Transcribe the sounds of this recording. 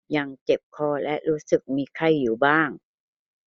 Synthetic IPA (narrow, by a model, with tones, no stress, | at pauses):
ja˧ŋt͡ɕe˨˩p̚kʰɔː˧˩lɛ˦˥ʔɾuː˦˥sɯ˨˩k̚miː˧kʰa˧˩jːuː˨˩baː˥˩ŋ